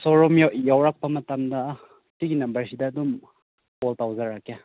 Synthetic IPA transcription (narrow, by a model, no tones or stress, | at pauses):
soɾomjajawɾak̚pɐmɐtamdɐ | tiɡinabɐɾsidɐːdum | poltawzaɾakja